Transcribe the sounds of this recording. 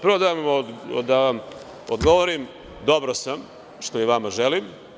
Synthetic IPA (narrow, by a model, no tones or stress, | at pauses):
pɾʋod̪amd̪aʋam | od̪ɡo̞ʋoɾim | d̪o̞bɾosam | ʃt̪oiʋamaʒelim